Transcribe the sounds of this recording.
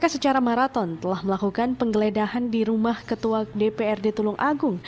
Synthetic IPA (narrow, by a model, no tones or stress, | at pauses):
kasət͡ʃaɾamaɾat̪ɔnt̪əlahməlakukanpəŋɡəledahandiɾumahkət̪uadepeɛrdit̪ulʊŋʔaɡʊŋ